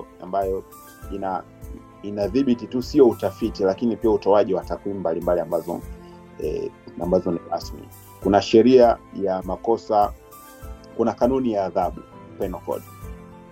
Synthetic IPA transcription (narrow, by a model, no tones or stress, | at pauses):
a̰mbajɔ | ina | inaðiɓititusijɔutafitilakinipiautɔaʄiwatakwimumbalimbaliambazɔ̰ | a̰mbazɔniɾasmḭ | kunaʃɛɾiajamakɔsa | kunakanunijaːðaɓṵkwɛnɔkɔ̰ɗi